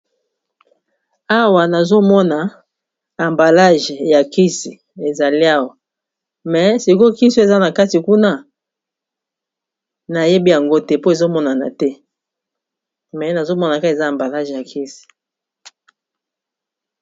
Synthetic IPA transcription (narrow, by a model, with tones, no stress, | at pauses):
a˦wa˨na˨zo˦mɔ˦na˨ | a˨mba˨la˦ʒja˨ki˦si˨ | e˨za˨li˦a˦wa˨ | mɛ˨˦si˨ko˦ki˦si˦o˦e˨za˦na˨ka˦ti˨ku˦na˦ | na˨je˦bi˦ja˨ŋɡo˦tɛ˦po˦e˨zo˦mɔ˦na˨na̰˨tɛ˦ | mɛ˨na˨zo˦mɔ˦na˨ka˦e˨za˦a˨mba˨la˦ʒja˨ki˦si̥˨